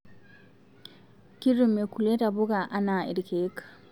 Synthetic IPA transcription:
ki˦ɾumeku˨le˦tabu˦ɡa˨ʔa˦na˨ḭ˨ɾke˦k

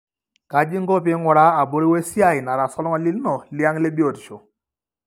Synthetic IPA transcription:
ka˨d͡ʒɪ˦ŋ˦ɡɔ˦p̬ɪ˦ŋɔ˨ɾa˦a˨bo˦ɾi˦we˦sja˦˨ɪ˨na˨ɾa˨sɔ˦lɔ˦ŋɔ˨li˦lnɔ˨lja˦ŋle˦bjo˨tʃo˨

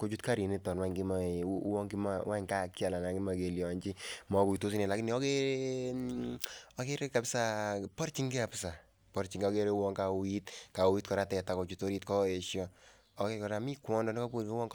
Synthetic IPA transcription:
ko˦t͡ʃu˦tka˦ɾi˨ne˦tɔ˨nwa˦ŋɡi˦ma˦wɔ˦ŋki˦ma˦wa˦ŋka˦kja˨la˨na˨ŋɡi˦ma˨ke˨ljɔ˨ɲt͡ʃi˦mɔ˨ku˨i˨to˦s̬i˦ne˨la˨ki˦ni˨ɔ˦ke˦ | ɔke˦ɾe˦ka˨psa˦pɔ˦ɾt͡ʃi˦ŋɡe˦a˨pɪ˦sa˨ | pɔ˨ɾt͡ʃi˨ŋɡe˦ɔ˦ke˦ɾe˦wɔ˦ŋka˨˦i˦tka˨u˧i˦t̚kɔ˨ɾa˦tɛ˨ta˨ko˨t͡ʃu˧to˦ɾi˦tkɔ˦e˨ʃjɔ˦ | ɔ˦ke˦kɔ˨ɾa˦mi˦kwɔ˦ndɔ˦ni˦kɔ˦pu˦ke˦wɔ˦ŋ

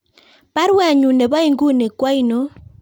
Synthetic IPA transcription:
pa˦ɾwa˦˨ɲu˨ne˨βa˦i˦ŋɡu˦ne˨kwa˦i˦no˦

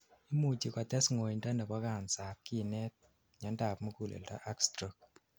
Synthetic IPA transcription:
i˦mu˨t͡ʃi˨kɔ˨tɛ˦sŋo˨nda˦ndɛ˨kɔ˦ka˨nsa˨p̚ki˦nɛ˦t̚ | ɲɔ˨˦nda˨pmu˦ku˦˨lḛ˨lda̰˦ʔa˦kstɾɔ˨k̚

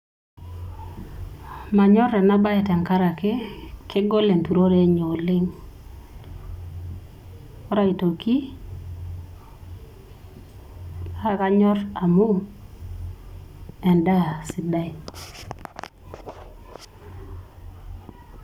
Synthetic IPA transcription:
ma˨ɲɔ˦ɾɛ˨na˦ba˦ɛ˨tɛ˨ŋka˦ɾa˨kɪ˦kɪ˦ɡo˦le˨ntu˨ɾo˦ɾe˦ɲo˨lɪ˦ŋ | ɔ˦ɾa˦i˨to˨ki˦ | a˦ka˦ɲɔ˦ɾa˨mu˦ | ɛ˨nda˦˨sɪ˨da˦i˨

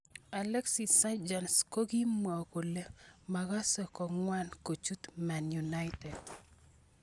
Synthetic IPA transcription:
a˨lɛ˦ksi˨sa˦d͡ʒa˨nsko˦ɡi˦mwa˨ko˨le˦ma˨ɡa˦sɔ˨kɔ˨ŋwa˦nko˨t͡ʃu˦t̪ma˨nju˨na˦ɪtɛ˨d

